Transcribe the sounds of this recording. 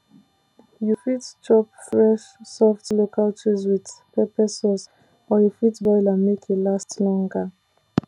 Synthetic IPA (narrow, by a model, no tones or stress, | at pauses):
jufitt͡ʃɔpfɹɛʃsɔftlokʰaltɹizwiðpɛpɛsɛs | ɔjufitbɔjlamekʰelastlɔ̃ŋɡa